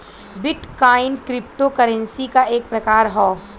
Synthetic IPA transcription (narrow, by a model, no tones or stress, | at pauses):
bɪʈkaːɪnkɾɪp̚ʈokɐɾə̃nsikaʔeːk̚pɾɐkaːɾɦɔː